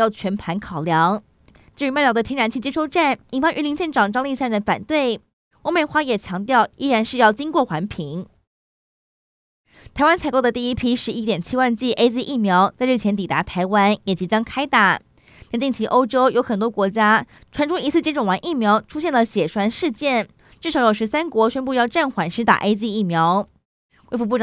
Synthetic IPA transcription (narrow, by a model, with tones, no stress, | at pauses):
jɑ˥˩ʊt͡ɕʰɥɛ˧˥npʰa˧˥nkʰɑ˨˩ʊljɑ˧˥ŋ | ʈ͡ʂ̩˥˩y˧˥ma˥˩jd̪ə˧˩jɛ˥ɻa˧˥nt͡ɕʰi˥˩t͡ɕjɛ˥ʂo˥˧ʊʈ͡ʂa˥˩ni˨˩nfa˥ŋʔy˧˥li˧˥ŋɕjɛ˥˩nʈ͡ʂʰɑ˨˩ŋʈ͡ʂɑ˥ŋli˥˧ɕja˥˩ŋə˧˥nfa̰˨˩nt̪we˥˩ɪ | wɔ˧˥mə˨˩xwa˥jɛ˨˩t͡ɕʰjɑ˧˥ŋt̪jɑ˥˩ʊʔi˥ɻa˧˥nʂɻ̩˥˧jɑ˥˩ʊt͡ɕi˥ŋkwɔ˥˩xwa˧˥npʰi˧˥ŋ | t̪ʰa˨˥ɪwa˥nt͡sʰa˨˥ɪko˥˩ʊd̪ə˨˩t̪i˥˩i˦˥pʰi˥ʂɻ̩˧˥i˥t̪jɛ˨˩nt͡ɕʰi˥wa˥˧nt͡ɕi˥˩ʔe˥ɪt͡ɕi˥ʔi˥˩mjɑ˧˥ʊt͡sa˥˧ɪɻ̩˥˩t͡ɕʰjɛ˧˥nt̪̬i˨˩t̪a˧˥t̪ʰa˧˥ɪwa˥njɛ˨˩t͡ɕi˧˥t͡ɕjɑ˥ŋkʰa˥ɪt̪a̰˨˩ | a˥˧˥t͡ɕi˥˩ŋt͡ɕʰi˧˥ʔo˥ʊʈ͡ʂo˥ʊjo˧˥ʊxə˨˩nt̪wɔ˥kwɔ˧˥t͡ɕja˥ | ʈ͡ʂʰwa˧˥nʈ͡ʂʰʊ˥ŋi˧˥sʰɹ̩˥˩t͡ɕjɛ˥nʈ͡ʂʊ˨˩ŋwa˧˥nʔi˥˩mjɑ˧˥ʊʈ͡ʂʰu˥ɕjɛ˥˩nlə˨˩ɕjɛ˨˩ʂwa˥nʂɻ̩˥˧t͡ɕjɛ˥˩n | ʈ͡ʂɻ̩˥˩ʂɑ˨˧˥ʊjo˨˩ʊʂɻ̩˧˥sa˥nkwɔ˧˥ɕɥɛ˥npu˥˧jɑ˥˧ʊʈ͡ʂa˥˩nxwa˨˧˥nʂɻ̩˧˥t̪a̰˨ʔe˥ɪt͡ɕi˥˧i˥˩mjɑ˧˥ʊ | xwe˥˧ɪfu˧p̬u˥˩ʈ͡ʂ